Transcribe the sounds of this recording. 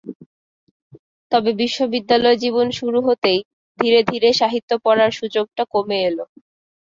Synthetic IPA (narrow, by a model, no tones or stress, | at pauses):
t̪ɔbebiʃːobid̪ːalɔed͡ʑiβonʃuɾuɦot̪ej | d̪ʱiɾed̪ʱiɾeʃaɦit̪ːopɔɽaɾʃud͡ʑoɡ̚ʈakomeelo